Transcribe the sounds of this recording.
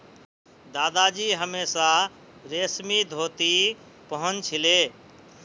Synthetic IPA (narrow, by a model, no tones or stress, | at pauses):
d̪aːd̪ad͡ʒiɦəmesa | ɾesmid̪ʱot̪i | pəɦənt͡ʃʰile